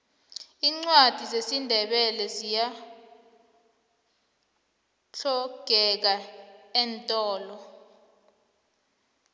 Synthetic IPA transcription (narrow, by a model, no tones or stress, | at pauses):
iːŋ͡ǀwad̥ʱizesindʱɛɓɛlɛzija | ɬɔɡ̥ʱɛk̬aɛntʼɔːlɔ